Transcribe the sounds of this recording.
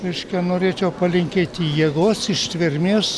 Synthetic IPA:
ɾʲɛɪʃʲkʲɛnoːɾʲeːt͡ʃʲɛʊpɐlʲɪŋʲkʲeːt̪ʲijiːɡoːsɪʃʲt̪ʲʋʲɪɾʲmʲeːs

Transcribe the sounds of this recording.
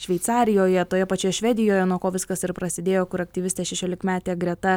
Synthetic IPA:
ʃʲʋʲɛɪt̪sɑːɾʲɪjoːjɛt̪oːjɛpɐt͡ʃʲoːjɛʃʲʋʲɛd̪ʲɪjoːjɛnuɔkoːʋʲɪskɐsɪɾpɾɐsʲɪd̪ʲeːjoːkʊɾɐk̚t̪ʲɪʋʲɪsʲt̪ʲeʃʲɛʃʲoːlʲɪkmʲæːt̪ʲeːɡɾʲɛt̪ɐ

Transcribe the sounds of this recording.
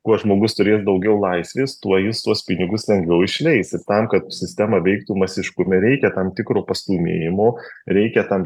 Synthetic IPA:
kuɔʒmoːɡʊst̪ʊɾʲeːsd̪ɐʊɡʲɛʊlˠɐɪsʲʋʲeːst̪uɔjɪst̪uɔspʲɪnʲɪɡʊslʲɛŋɡʋʲɛʊɪʃʲlʲɛɪsɪt̪ɐmkɐt̪sʲɪsʲt̪ʲæmɐʋʲɛɪkt̪uːmɐsʲɪʃkʊmʲɛɾʲɛɪkʲɛt̪ɐmt̪ʲɪkɾoːpɐst̪uːmʲḛːjɪmoːɾʲɛɪkʲɛt̪ɐm

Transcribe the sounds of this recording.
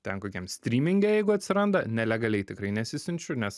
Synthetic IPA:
t̪ʲɛnkoːkʲiɛmsʲt̪ʲɾʲiːmʲɪŋʲɡʲɛjɛɪɡʊɐt̪ʲsʲɪɾɐnd̪ɐnʲɛlʲɛɡɐlʲɛɪt̪ʲɪkɾɐɪnʲɛsʲɪsʲɪnʲt͡ʃʲʊnʲɛs

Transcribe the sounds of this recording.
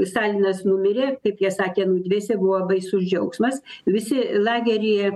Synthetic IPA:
st̪ɑːlʲinɐsnʊmʲɪɾʲeːkɐɪpjiɛsɑːkʲeːnʊːd̪ʲʋʲeːsʲɛbʊʋobɐɪsʊʒʲd͡ʒʲɛʊksmɐsʋʲɪsʲɪlˠɑːɡʲɛɾʲɪjɛ

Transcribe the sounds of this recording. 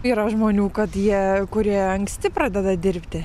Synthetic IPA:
iːɾɐʒmoːnʲuːkɐt̪jiɛkʊɾʲiɛɐŋksʲt̪ʲɪpɾɑːd̪ʲɛd̪ɐd̪ʲɪɾʲpʲt̪ʲɪ

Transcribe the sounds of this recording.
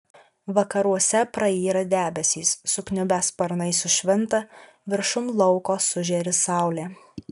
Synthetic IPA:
ʋɐkɐɾuɔsʲɛpɾɐiːɾɐd̪ʲæːbʲɛsʲiːsːʊknʲʊbʲæspɐɾnɐɪsʊʃʲʋʲɪnt̪ɐ | ʋʲɪɾʃʊmlˠɒʊkoːsʊʒʲeɾʲɪsɑˑʊlʲeː

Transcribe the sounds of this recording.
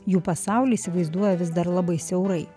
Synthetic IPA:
juːpɐsɑˑʊlʲiisʲɪʋɐɪzd̪uɔjɛʋʲɪzd̪ɐɾlˠɐbɐɪsʲɛʊɾɐɪ

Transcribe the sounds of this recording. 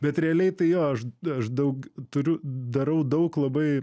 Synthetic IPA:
bʲɛt̪ɾʲrʲɛɐlʲɛɪt̪ɐɪjoːɐʃɐʃd̪ɐʊkt̪ʊɾʲʊd̪ɐɾɐʊd̪ɐʊklˠɐbɐɪ

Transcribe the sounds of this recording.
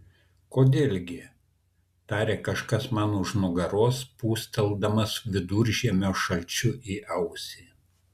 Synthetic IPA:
koːd̪ʲeːlʲɡʲɪ | t̪ɑːɾʲeːkɐʃkɐsmɑːnʊʃnʊɡɐɾoːspuːsʲt̪ʲɛlˠd̪ɐmɐsʋʲɪd̪uɾʲʒʲiɛmʲoːʃɐlʲt͡ʃʲʊʔiːʔɐʊsʲiː

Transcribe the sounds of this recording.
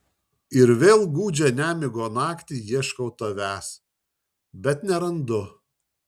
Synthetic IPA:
ɪɾʋʲeːlˠɡuːd͡ʒʲɛnʲæːmʲɪɡoːnɑːkt̪ʲiːjiɛʃkɐʊt̪oʋʲæːs | bʲɛt̪nʲɛɾɐnd̪ʊ

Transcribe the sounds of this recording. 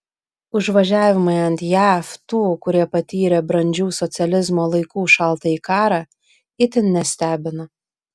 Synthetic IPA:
ʊʒʋɐʒʲæːʋʲɪmɐɪɐnt̪ʲjæːft̪uːkʊɾʲiɛpɐt̪ʲiːɾʲɛbɾɐnʲd͡ʒʲuːsɔt̪sʲɛlʲɪzmoːlˠɐɪkuːʃɐlˠt̪ɐiːkɑːɾɑː | ɪt̪ʲɪnnʲɛsʲt̪ʲæːbʲɪnɐ

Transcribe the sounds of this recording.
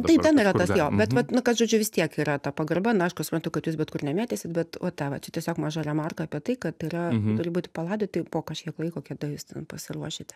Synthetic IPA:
ttɐɪpt̪ʲɛniɾɐt̪ɐsjoːbʲɛt̪ʋɐt̪nʊkɐsʒoːd͡ʒʲʊʋʲɪst̪ʲiɛkiːɾɐt̪ɐpɐɡɐrbɐnʊɐɪʃkʊsʊ̥pɾɐnt̪ʊkɐtjuːs̬bʲɛt̪kʊrnʲɛmʲæːt̪ʲeːsʲɪt̪bʲɛt̪ɐt̪ɑʋɐt͡ʃʲɛt̪ʲiɛsʲoːkmɑːʒɐɾʲɛmɑrkɐɐpʲiɛt̪ɐɪkɐt̪iːɾɐt̪ʊɾʲɪbuːt̪ʲɪpɐlˠɑːd̪ʲoːt̪ʲɐɪpoːkɐʃʲkʲiɛklˠɐɪkoːkʲɛd̪ɐjuːst̪ʲɛnpɐsʲɪruɔʃʲɪt̪ʲ

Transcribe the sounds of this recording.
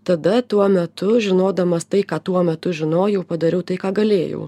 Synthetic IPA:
t̪ɐd̪ɐt̪uɔmʲɛt̪ʊʒʲɪnoːd̪ɐmɐst̪ɐɪkɑːt̪uɔmʲɛt̪ʊʒʲɪnoːjɛʊpɐd̪ɐɾʲɛʊt̪ɐɪkɑːɡɐlʲeːjɛ̰ʊ

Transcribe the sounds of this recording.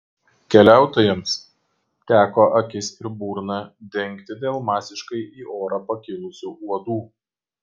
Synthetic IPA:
kʲɛlʲæˑʊt̪oːjɛms | t̪ʲæːkoːʔɐkʲɪsɪɾbuːɾnɑd̪ʲɛŋʲˑkt̪ʲɪd̪ʲeːlˠmɑːsʲɪʃkɐɪʔiːʔoːɾɐpɐkʲɪlˠʊsʲuːuɔd̪uː

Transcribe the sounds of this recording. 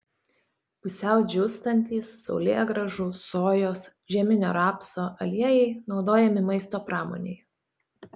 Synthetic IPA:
pʊsʲɛˑʊd͡ʒʲʊst̪ɐnʲt̪ʲiːsːɒ̰ʊlʲeːɡɾɐʒusoːjoːsʒʲɛmʲɪnʲoːɾɑːpsoːʔɐlʲiɛjɛɪnɒʊd̪oːjɛmʲɪmɐɪst̪oːpɾɑːmo̰ːnʲɛ̰ɪ

